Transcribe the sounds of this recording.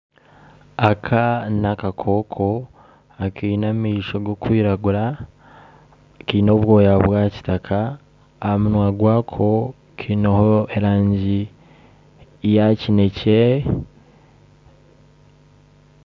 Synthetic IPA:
akʰanakakʰo̞ːkʰo | akiːnamiːʃoɡokwiːɾaɡuɾa | kiːnoβwo̞ːjaβwaci̥takʰaː | amunwaɡwaːkʰo̞ | kʰiːnohoeɾaːɲɟi | jacine̞ce

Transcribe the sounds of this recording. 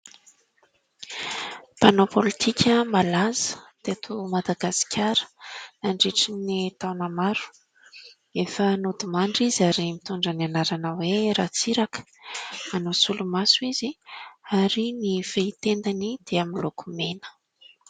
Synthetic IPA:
panopolit̪ʰikʰʲəmalazə̥d̪̥et̪ʰumad̪aɡasi̥kʰʲaɾə̥naɳɖ͡ʐiʈ͡ʂinit̪awnamaɾu̥ | efənud̪imaɳɖ͡ʐizaɾimit̪uɳɖ͡ʐənianaɾanəweɾat͡siɾakə̥ | manosulumasuiziaɾiniv̥eit̪end̪anid̪̥eamiloku̥menə̥

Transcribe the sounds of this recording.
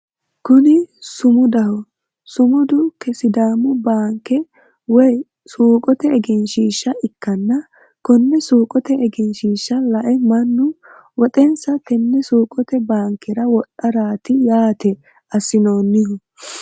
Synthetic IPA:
kʊnɪsʊmʊd̪ɐhɔ | sʊmʊd̪ʊkɛsɪd̪aːmʊbaːŋkːɛ | wɔj | suːkʼɔt̪ɛɛɡɛnʃiːʃːɐʔɪkːɐnːɐ | kɔnːɛsuːkʼɔt̪ɛɛɡɛnʃiːʃːɐlɐʔɛmɐnːʊ | wɔt̪ʼɛnsɐt̪ɛnːɛsuːkʼɔt̪ɛbaːŋkːɛɾɐwɔɗɐɾaːt̪ɪjaːt̪ɛ | ɐsɪnoːnːɪhʊ

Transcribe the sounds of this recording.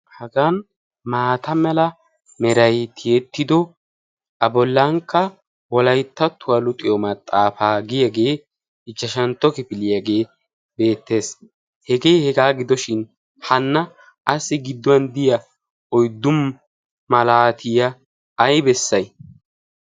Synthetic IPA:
hɐɡan | maːt̪ʰɐmɛlɐ | mɛɾɐjt̪ʰɪjɛt̪ːɪd̪ɔ | ʔɐbɔlːɐŋkːɐ | wɔlɐjt̪ːɐt̪ʰːʊwɐlʊt̪ʼɪjɔmɐt̪ʼːaːfaːɡɪjaɡe̞ː | ɪt͡ʃːɐʃɐnt̪ːɔkɪfɪlɪjaɡe̞ː | be̞ːt̪ːe̞ːs | hɛɡe̞ːhɛɡaːɡɪd̪ɔʃɪn | hɐnːɐ | ʔːsɪɡɪd̪ːɔwɐnd̪ɪjɐ | ɔjd̪ːʊmː | ɐlaːt̪ʰɪjɐː | jbɛsːɐj

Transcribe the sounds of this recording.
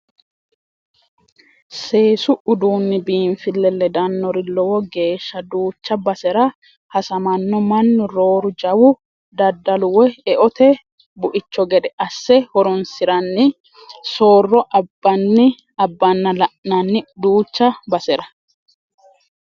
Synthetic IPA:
se̞ːsʊʊd̪uːnːɪbiːnfɪlːɛlːɛd̪ɐnːɔɾɪlɔwɔɡe̞ːʃːɐd̪uːt͡ʃːɐbɐsɛɾɐ | hɐsɐmɐnːɔmɐnːʊɾo̞ːɾʊd͡ʒɐwʊ | d̪ɐd̪ːɐlʊwɛɛʔɔt̪ɛ | bʊʔɪt͡ʃːɔɡɛd̪ɛʔɐsːɛhɔɾɔnsɪɾɐnːɪ | soːrːɔʔɐbːɐnːɪ | ɐbːɐnːɐlɐʔnɐnːɪd̪uːt͡ʃːɐbɐsɛɾɐ

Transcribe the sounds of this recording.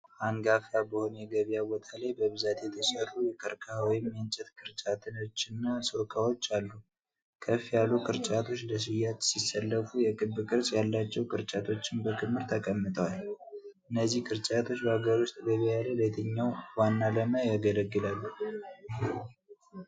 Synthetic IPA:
ʔaŋɡafabəho̞njɛɡəβijabot̪ʰalajbəβɨzat̪ʰeɛt̪ʰjɛsərːujɛkʰʼəɾkʰawɔjɪmjant͡ʃʼɛt̪kʰɨɾt͡ʃʼat̪ʰɨnot͡ʃːɪnːasokʰʼawo̞t͡ʃːalːu | kʰəfjalːukʰʼɨɾt͡ʃʼat̪ʰo̞t͡ʃːləs̬ɨjat̪sisəlːəfujɛkʼɨbːɨkʼɨɾsjalːat͡ʃːɛwkʼɨɾt͡ʃʼat̪ʰo̞t͡ʃːɪnbəkʰɨmːɨɾt̪ʰəkʼəmːɨt̪ʼəwalʔɨnːəzːihkʰʼɨɾt͡ʃʼat̪ʰo̞t͡ʃːbəaɡəɾost̪ʰʼɡəβajalələt̪ʰəɲːawwanːaləmajaɡələɡːɨlalːu

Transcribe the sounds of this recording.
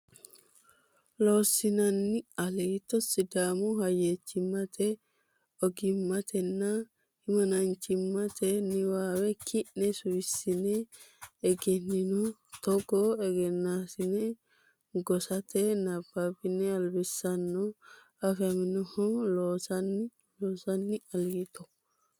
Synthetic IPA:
loːsɪnɐnːɪɐlɛt̪ːɔsɪd̪aːmʊhɐjet͡ʃːɪmːɐt̪ɛ | ɔɡɪmːɐt̪ʰɛnːɐ | hɪmɐnɐnt͡ʃːɪmːɐt̪ʰɛnɪwaːwɛkʰɪʔnɛsʊjɪsːɪnɛː | ɡɛnːɪnɔt̪ɔɡɔɛɡɛnːasɪnɛ | ɡɔsɐt̪ɛnɐbːabɪnɛɐlbɪsːɐnːɔ | ɐfɛmɪnɔhɔloːsɐn | loːsɐnːɪɐlt̪ɔ

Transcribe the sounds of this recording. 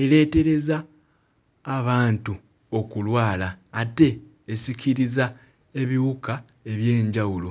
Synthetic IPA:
e̞le̞ːte̞ɾe̞zaː | βaːntu | o̞kulwaːlaːte̞ː | siciɾiza | e̞βiwukae̞βje̞ːɲɟawulo̞

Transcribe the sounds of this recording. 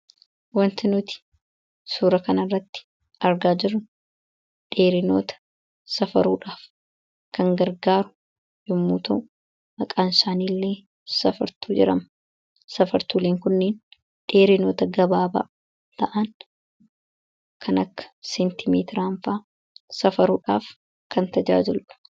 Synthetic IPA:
wɐnt̪ɪnʊt̪ɪ̥ | suːɾɐkɐnɐrːɐt̪ːɪ̥ | ɐɾɡaːd͡ʒɪrʊn | ᶑeːɾɪno̞̰ːt̪ɐ̥ | sɐfɐɾuːᶑaːf | kɐŋɡɐɾɡaːɾʊ | jʊmːuːt̪ɐʔʊ | mɐkʼaːnɪsaːniːlːe̞ː | sɐfɐɾt̪uːd͡ʒɪ̰ɾɐm | sɐfɐɾt̪uːleːŋkʊnːeːn | ᶑe̞ːɾɪno̞ːt̪ɐɡɐbaːbɐ̰ | t̪ɐʔɐn | kʰɐnɐkːɐ̥sɛnt̪ɪmeːt̪ɪɾaːɱfaː | sɐfɐɾuːᶑaːf | kʰɐnt̪ɐd͡ʒa̰ːd͡ʒɪlʊᶑɐ̥

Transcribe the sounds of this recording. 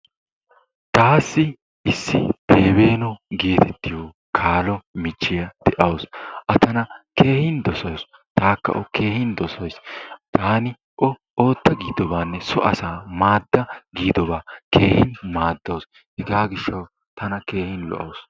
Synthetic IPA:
t̪aːsːɪ | ɪsːɪ̰b̥e̞ːbe̞ːnɔɡeːt̪ɛt̪ːɪjɔː | kʰaːlɔmɪt͡ʃːɪjɐd̪̥ɛʔɐwsʔɐt̪ɐnɐke̞ːhɪnd̪ɔsɔjs | t̪aːkːɐ̰ʔɔke̞ːhɪnd̪ɔsɔjst̪aːnɪ | ʔɔ | o̞ːt̪ːɐɡiːd̪ɔbaːnːɛsɔʔɐsaːmaːd̪ːɐɡiːd̪ɔbaːke̞ːhɪnmaːd̪ːoːs | hɛɡaːɡɪʃːɐw | t̪ɐnɐke̞ːhɪnlɔ̰ʔɐ̰ws

